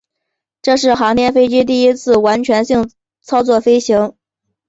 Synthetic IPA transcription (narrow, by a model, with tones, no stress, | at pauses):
ʈ͡ʂɤ˥˧ʂɻ̩˥˩xɑ˧˥ŋt̪jɛ˥nfe˥ɪʈ͡ʂi˥t̪̬i˥˩i˥t͡sʰɹ̩˥˩wa˧˥nt͡ɕʰɥɛ˧˥nɕi˥˧˩ŋ | t͡sʰɑ˥ʊt͡swɔ˥˩fe˥ɪɕi˧˥ŋ